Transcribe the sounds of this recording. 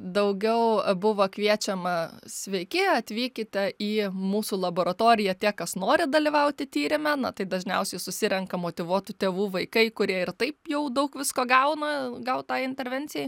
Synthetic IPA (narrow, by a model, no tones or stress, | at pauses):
d̪ɐʊɡʲɛʊbʊʋoːkʋʲiɛt͡ʃʲɛmɐsʲʋʲɛɪkʲɪɐt̪ʲʋʲiːkʲɪt̪ʲɛiːmuːsuːlˠɐboːɾɐt̪oːɾʲɪjɛt̪ʲiɛkɐsnoːɾʲɪd̪ɐlʲɪʋɐʊt̪ʲɪt̪ʲiːɾʲɪmʲɛnɐt̪ɐɪd̪ɐʒʲnʲɛ̰ʊsʲɛɪsʊsʲɪɾʲɛŋkɐmoːt̪ʲɪʋuɔt̪ʊt̪ʲeːʋuːʋɐɪkɐɪkʊɾʲiɛɪrt̪ɐɪpjɛʊd̪ɐʊkʋʲɪskoːɡɐʊnɐɡɐʊt̪ɑːɪnʲt̪ʲɛɾʲʋʲɛnʲt͡sʲɪjɛɪ